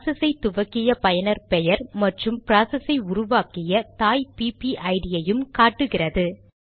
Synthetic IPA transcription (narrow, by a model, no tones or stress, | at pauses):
sɐsɐɪt̪ːʊʋɐkːɪjɐpɐjɐnɐɾpɛjɐɾmɐʈrɯmpɪɾaːsɐsɐɪʊɾʊʋaːkɪjɐt̪aːjpiːpiʔɐɪɽɪjɐjɯmkaːʈːɯɣɪrɐðɯ